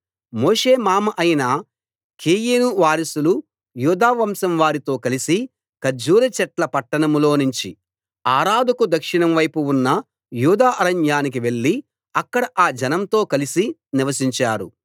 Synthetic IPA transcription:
moːʂe̞ːmaːmɐʔɐjinɐ | kʰeːjinuʋaːɾisulu | juːd̪aːʋɐmsɐmʋaːɾit̪o̞ːkɐlisi | kɐd͡ʒuːɾɐt͡ʃɛʈlɐpɐʈːɐɳɐmlo̞ːnuɲt͡ʃi | aːɾaːd̪ʱɐkud̪ɐkʂiɳɐmʋɐjpuunːɐ | juːd̪aːʔɐɾɐɲjaːnik̬iʋe̞ɭːi | ɐkːɐɽɐʔaːd͡ʒɐnɐmt̪o̞ːkɐlisiniʋɐsiɲt͡ʃaːɾṵ

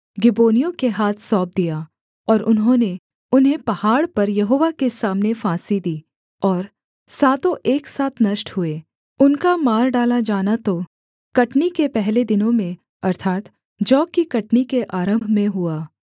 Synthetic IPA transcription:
ɡɪboːnijõkeɦaːt̪ʰsɔːp̚d̪ija | ɔːɾʊnɦõːne | ʊnɦẽpɐhaːɽpɐɾjɐɦoːʋakesaːmnefaːsid̪iː | ɔːɾ | saːt̪õʔeːksaːt̪ʰnɐʃʈɦʊeː | ʊnkamaːɾɖaːlad͡ʒaːnat̪o | kɐʈnikepɛɦled̪ɪnõmẽ | ɐɾt̪ʰaːt̪ | d͡ʒɔːkːikɐʈnikeʔaːɾə̃mbʱmẽɦuaː

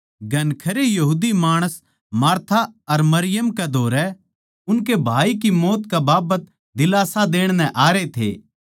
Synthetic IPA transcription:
ɡʱɐnkʰɐɾejɐɦuːd̪imaːɽ̃əs | maːɾt̪ʰaɐɾmɐɾɪjəmkɛd̪ʱoːɾɛ | ʊnkebʱaːikimoːt̪kabaːbət̪ | d̪ɪlaːsad̪eːɽ̃nɛ̃ʔaːɾet̪ʰḛː

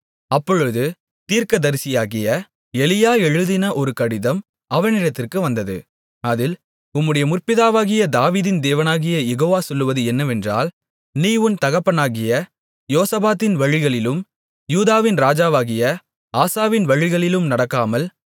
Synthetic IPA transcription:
ɐpːɔɻɯðɯ | t̪iːrkɐd̪ɐɾɪsɪjaːɣɪjɐ | ɛlɪjaːɛɻɯðɪnɐʔɔɾɯkɐɽɪðɐm | ɐʋɐnɪɾɐt̪ːɪrkɯʋɐnd̪ɐðɯ̰ | ɐðɪl | ʊmːɯɽɐjɐmʊrpɪðaːʋaːɣɪjɐd̪aːʋiːðɪnd̪eːʋɐnaːɣɪjɐjɛɣoːʋaːsɔlːɯʋɐðɯɛnːɐʋɛndra̰ːl | niːʋɯnt̪ɐɣɐpːɐnaːɣɪjɐ | joːsɐbaːt̪ːɪnʋɐɻɪɣɐɭɪlɯm | juːðaːʋɪnɾaːd͡ʒaːʋaːɣɪjɐ | aːsaːʋɪnʋɐɻɪɣɐɭɪlɯmnɐɽɐkːaːmɐl

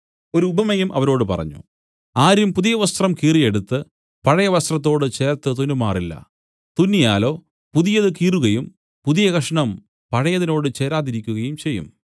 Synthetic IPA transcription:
o̞ɾuːbʱɐmɐjumʔɐʋɐɾo̞ːɽɨpɐ̰rɐ̰ɲːṵ | aːɾumpuðijɐʋɐst̪rɐmkiːrije̞ɽut̪ːɨ | pɐɻɐjɐʋɐst̪rɐt̪ːo̞ːɽɨt͡ɕe̞ːrt̪ːɨt̪unumaːrilːɐ̰ | t̪unːijaːlo̞ː | puðijɐðɨkiːruɣɐjum | puðijɐɡɐʂɐɳɐm | pɐɻɐjɐðino̞ːɽɨt͡ɕe̞ːɾaːðiɾikʲːuɣɐjumt͡ɕe̞jːṵm

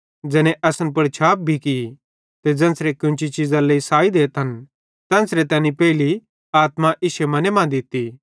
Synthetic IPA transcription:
d͡ʒɛːnẽʔɐsənp̬ɐɽt͡ʃʰaːp̚bʱiki | t̪ed͡ʒɐ̃ːnsɾekʊ̃nt͡ʃit͡ʃizãleisaːid̪eːt̪ɦɐn | t̪ɛ̃ːnsɾet̪ɛ̃ːnipɛːɪli | aːt̪mãʔɪʃemɐnemãːd̪ɪt̪ːi

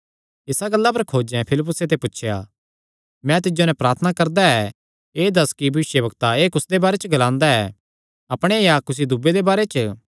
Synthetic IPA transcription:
ɪsaɡɐlːap̬ɐɾkʰoːd͡ʒɛ̃pʰɪlɪp̬ːʊset̪ʰepʊtːʃʰja̰ | mɛ̃t̪̬ɪd͡ʒonɛ̃pɾaːɾt̪ʰənakɐɾd̪aɛ | eːd̪ɐskibʱɐʋɪsjəbɐkt̪aeːkʊsd̪ebaːɾɛt͡ʃəɡɐlãːnd̪aɛ | ɐpɽ̃ejakʊs̬id̪ʊbːed̪ebaːɾɛt͡ʃ

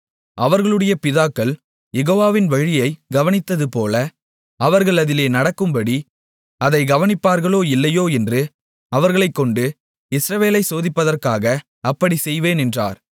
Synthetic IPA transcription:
ʔɐʋɐɾɣɐɭɯɽɐjɐpɪðaːkːɐɭ | jɛɣoːʋaːʋɪnʋɐɻɪjɐɪɡɐʋɐnɪt̪ːɐðɯpoːlɐ | ɐʋɐɾɣɐɭɐðɪleːnɐɽɐkːɯmbɐɽi | ɐðɐɪɡɐʋɐnɪpːaːɾɣɐɭoːɪlːɐjoːɛndrɯ | ɐʋɐɾɣɐɭɐɪkːɔɳɖɯ | ɪsɾɐʋeːlɐɪsoːðɪpːɐðɐrkaːɣɐː | pːɐɽisɛjʋeːnɛndra̰ːɾ

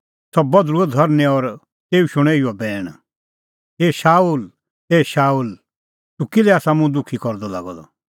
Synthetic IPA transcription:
sɔbɐd̪ɾuɔd̪ʱɔɾnɛ̃ɔɾ | t̪eːuʃʊɽ̃eːiɔbɛːɽ̃ | eːʃaːuːl | eːʃaːuːl | t̪ukilɛaːsamũd̪ʊkʰikɔɾd̪ɔla̰ɡɔ̰d̪ɔ̰

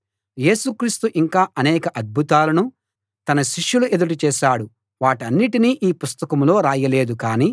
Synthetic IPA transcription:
je̞ːsukɾiːst̪uʔiŋkaːʔɐnɛːkɐʔɐd̪̚bʱut̪aːlɐnu | t̪ɐnɐʃiʂjuluʔe̞d̪uʈut͡ʃɛːʃaːɽu | ʋaːʈiɐnːiʈiniːʔiːpust̪ɐkɐmlo̞ːɾaːjɐle̞ːd̪ukaːniː

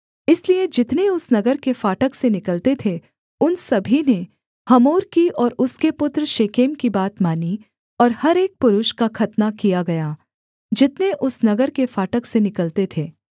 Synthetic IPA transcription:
ɪslied͡ʒɪt̪neʊsnɐɡəɾkefaːʈəksenɪkəlt̪et̪ʰe | ʊnsɐbʱine | hɐmoːɾkiɔːɾʊskepʊt̪ɾʃeːkeːmkibaːt̪maːni | ɔːɾhɐɾeːk̚pʊɾʊʃkakʰɐt̪nakijaɡɐjaː | d͡ʒɪt̪neʔʊsnɐɡəɾkefaːʈəksenɪkəlt̪et̪ʰeː

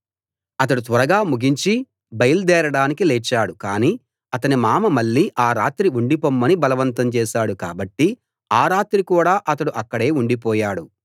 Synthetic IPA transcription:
ɐt̪ɐɽut̪ʋɐɾɐɡaːmuɡiɲt͡ʃi | bɐjɐld̪ɛːɾɐɽaːnikilɛːt͡ʃːaːɽukaːniː | ɐt̪ɐnimaːmɐmɐɭːiːʔaːɾaːt̪ɾiuɳɖipomːɐnibɐlɐʋɐnt̪ɐmt͡ʃɛːʃaːɽuka̰ːbɐʈːi | aːɾaːt̪ɾikuːɽaːʔɐt̪ɐɽuʔɐkːɐɽe̞ːuɳɖipɔːjaːɽu

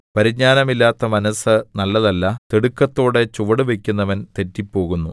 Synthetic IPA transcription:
pɐɾiɲaːnɐmilːaːt̪ːɐmɐnɐsɨnɐlːɐðɐlːɐt̪eɽukːɐt̪ːo̞ːɽe̞t͡ɕuʋɐɽuʋekʲːunːɐʋɐnt̪e̞tːipːo̞ːɣunːu

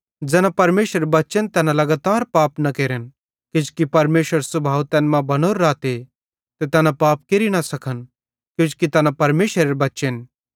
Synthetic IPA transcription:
d͡zɛːnãpɐɾmeːʃəɾebɐtːt͡ʃənt̪ɛːnãlɐɡaːt̪aːɾpaːpnɐkeːɾən | kɪ̃t͡ʃkipɐɾmeːʃəɾsʊbʱaːʋt̪ɛːnmãbɐnoːɾːaːt̪e | t̪et̪ɛːnãpaːp̚keɾinɐsɐkʰən | kjõːt͡ʃkit̪ɛːnãpɐɾmeːʃʋəɾeɾbɐtːʃen

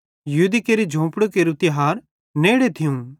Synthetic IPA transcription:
jɐɦud̪ikeːɾid͡ʒʱõːpɽokeɾʊt̪ɪɦaːɾ | neːɽet̪ʰɪjũ

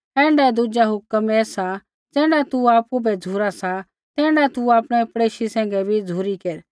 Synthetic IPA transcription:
ɛ̃ːɳɖad̪ud͡ʒaɦʊkəmɛːsa | d͡zɛːɽat̪uaːpubɛd͡zʱuɾasa | t̪ɛ̃ːɽat̪uaːpɽ̃ɛpɽeːʃisɛ̃ːŋɡɛbʱid͡zʱuɾikeːɾ

